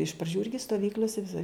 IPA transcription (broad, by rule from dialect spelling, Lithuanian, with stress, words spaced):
ɪʃ prɐˈd͡ʒʲuː ˈɪrʲɡʲɪ stoːˈʋʲiːklʲoːsʲɛ ʋʲɪˈsɐɪ